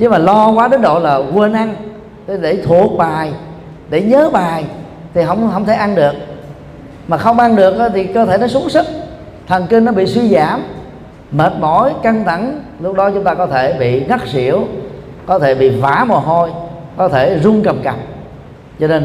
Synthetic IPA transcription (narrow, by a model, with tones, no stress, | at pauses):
t͡ɕe˨˦maː˨˩lɔ˧kwaː˨˦ɗe˨˦nɗo̰˧˨laː˨˩ɣu˧əna˧ŋ | t̪e˨˦ɗe˧˩t̪ʰu˨˩ət̚ɓaː˨˩j | ɗe˧˩ɲəː˨˦ɓaː˨˩j | t̪ʰi˨˩ɦə˧˨wŋ͡mɦə˧˨wŋ͡mt̪ʰe˧˩ʔa˧nɗɨ˨˩ək̚ | maː˨˩xə˧wŋ͡mʔa˧nɗɨ˨˩ək̚ʔə˨˦t̪ʰi˨˩kəː˧t̪ʰe˧˩nɔ˨˦su˨˦ŋsɨ˦˥k̚ | t̪ʰə˨˩ŋki˧ŋnɔ˨˦ɓḭ˧˨swi˧zaː˧˩m | məː˨˩t̚mo˧˦jkə˧nt̪ʰə˧˩ŋlʊ˦˥k͡p̚ɗɔ˨˦t͡ɕʊ˦ŋ͡mt̪aː˧kɔ˨˦t̪ʰe˧˩ɓḭ˧˨ŋə˦˥k̚zḭ˧˨əw | kɔ˨˦t̪ʰe˧˩ɓḭ˧˨va̰ː˧˩˦mo˨˩ɦo˧j | kɔ˨˦t̪ʰe˧˩zʊ˧ŋ͡mkə˨˩mka˨˩m̚ | zɔ˧ne˧n